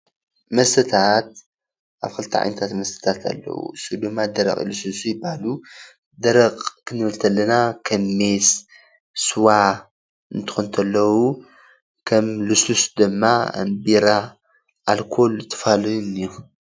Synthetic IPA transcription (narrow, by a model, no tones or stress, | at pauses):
mɐst̪ʰɐt̪ʰat̪̚ | ʔaβkʰɨlt̪ʰiʕa̰jnɐt̪ʰat̪mɐst̪ʰɐ̥t̪ʰat̪ʰa̰lːɐ̰wṵsud̪ɨmːad̪ɐɾɐ̰kʼḭlɨsusujɪbahalu | d̪ɐɾɐkʼkʰɨnɨβɨlt̪ʰɐlːɐnakʰɐmːes | swa | ɨnt̪ʰɨ̥xunt̪ʰɐlːɐwu | kʰɐmlɨsusd̪ɨmːa̰mbiɾa | ʔːlkʰo̞lt̪ʰːɨ̥falɐjniju